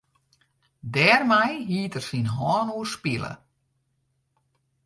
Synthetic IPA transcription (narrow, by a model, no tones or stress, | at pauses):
dɛːrmɛjɦiətərsinɦɔːnuərspilə̰